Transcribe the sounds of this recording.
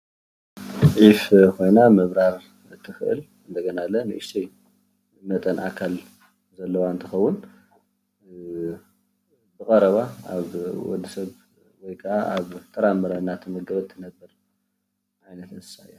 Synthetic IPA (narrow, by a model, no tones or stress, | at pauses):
ʕifkʰo̞jnamɨβɾaɾ | ɨt̪ʰːɨxɨʔɨ̰l | ɨnd̪ɐɡɐnalːɐnɨʔɨʃt̪ʰij | mɐt̪ʼɐnʔakʰal | zɐlːɐwaɨnt̪ʰɨxɐwːʊn | bɨkʼɐɾɐβaaβwɔ̰d̪ːisɐβ | wɔjkʰɐʔaʔaβt̪ʰɐɾamɐɾawnːat̪ʰɨmɨɡɐβɐt̪ʰːɨnɐbːɐɾ | ʕajnɐt̪ʰɨzɨ̥sajo